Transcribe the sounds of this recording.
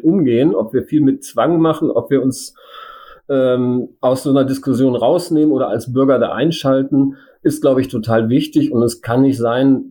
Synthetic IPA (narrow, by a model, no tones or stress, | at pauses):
ʔʊmɡeːənʔɔ̰pv̥iːɐfiːlmɪtt͡sv̥aŋmaχn̩ʔɔpv̥iːɐʊns | ʔɛːmʔaʊsz̥oːnɐdɪskʊsjoːnʁaʊsneːmənoːdɐʔa̰lsb̥ʏɐɡɐda̰ːʔa̰ɪnʃaltn̩ | ʔɪst̚ɡ̥laʊbəɪçtʰotʰaːlvɪçtɪçʊntɛskʰanːɪçtz̥aɪn